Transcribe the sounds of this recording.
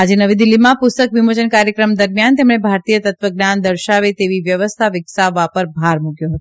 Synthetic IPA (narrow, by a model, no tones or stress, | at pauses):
ad͡ʒenəʋid̪ilːimãpʊst̪əkʋimod͡ʒənkaɾjəkɾəmd̪əɾmjant̪emɽ̃ebʱaɾt̪ijət̪ət̪ʋəɡnand̪əɾʃaʋet̪eʋiʋjəʋəst̪ʰaʋɪksaʋːapəɾbʱaɾmuɡjoɦət̪o